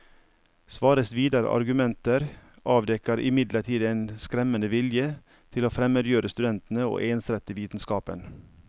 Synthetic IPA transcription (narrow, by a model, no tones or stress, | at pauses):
sʋɑːɾəsʋiːd̪ɑɾə̰ʔɑ̰ɾɡʉmɛnt̪əɾ | ʔɑːʋd̪ɛkəɾʔɪ̰mɪd̪ləʈʰiːd̪eːnskɾɛmənəʋɪljə | t̪ʰɪloːfɾɛmøːd̪jøːɾəst̪ʉd̪ɛnt̪n̩əo̰ːʔeːnsɾɛt̪əʋiːt̪n̩skɑːpə̰n